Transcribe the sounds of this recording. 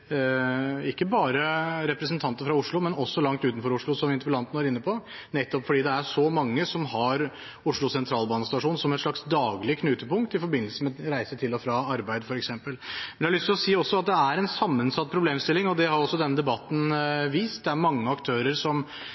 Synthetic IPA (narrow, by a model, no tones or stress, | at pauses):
ɪkːəbɑːɾəɾɛpɾəsənt̪ʰɑnt̪əɾfɾɑʊʂɭʊmɛnɔsːɔlɑŋt̪ʉːt̪n̩fɔɾʊʂɭʊsɔmʋɪnt̪əpəlɑnt̪nʋæɾɪnːəpʰɔ | nɛt̪ːɔpfɔɖiːd̪ɛæʂɔmɑŋːəsɔmɦɑɾ | ʊʂɭʊsɛnt̪ʰɾɑːlbɑːnəst̪ɑʂuːnsɔmɛt̪ʂɭɑksd̪ɑːɡlɪkʰnʉːt̪əpʊŋkt̪ɪfɔɾbɪnəlsəmɛɾæɪsət̪ʰɪlɔfɾɑːɑɾbæɪd̪fɔɾɛksɛmpəlmɛnjɛhɑɭʏst̪ɪlɔsiːɔsːɔɑt̪̚d̪ɛæɾɛnsɑmːənsɑt̪̚ːpʰɾʊbleːmst̪ɪlːɪŋɔd̪ɛhɑɾɔsːɔd̪ɛnːəd̪ɛbɑt̪ːn̩ʋiːst̪̚d̪ɛæɾmɑŋːəɑkt̪ʰøːɾəɾsɔm